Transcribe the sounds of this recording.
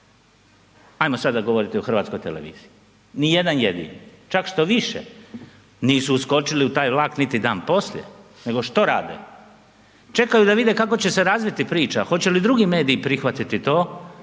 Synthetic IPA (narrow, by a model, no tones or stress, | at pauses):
ajmosad̪aɡo̞ʋo̞ɾit̪ioxɾr̩ʋaːt̪skojt̪eleʋḭːz̥ii | nije̞d̪anjed̪ḭnt͡ʃakʃt̪o̞ʋiʃḛ | niːsuːsko̞t͡ʃiliut̪aːjʋlˠaːknit̪id̪aːnpo̞slje̞̰ | ne̞ɡo̞ʃt̪o̞ɾa̰ːd̪ḛ | t͡ʃe̞kajud̪aʋid̪e̞kako̞t͡ɕe̞se̞ɾazʋit̪ipɾiːt͡ʃaxo̞t͡ɕe̞lid̪ɾuɡime̞ːd̪iːpɾixʋat̪it̪it̪o̞ː